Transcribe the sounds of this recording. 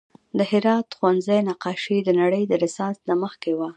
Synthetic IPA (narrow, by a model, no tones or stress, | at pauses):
d̪əɦɪɾɑt̪xwanzajnaqɑʃid̪ənaɽəjd̪əɾɪsɑnsnaməxkewa